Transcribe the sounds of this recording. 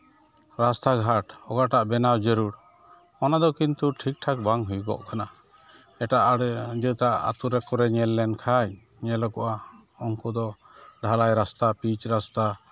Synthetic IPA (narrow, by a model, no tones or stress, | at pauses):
ɾast̪aɡʱaʈɔɡaʈaʔbɛnawd͡ʒəɾuɾ | mɔnad̪ɔkint̪uʈʰik̚ʈʰak̚baŋɦujbɔ̰ʔkana | ɛʈaʔaɽɛd͡ʒət̪aʔa̰t̪uɾɛkɔɾɛɲɛlːɛnkʰaj | ɲɛlɔkɔʔa | ɔŋkɔd̪ɔ | ɖʱalajɾast̪apit͡ʃɾast̪a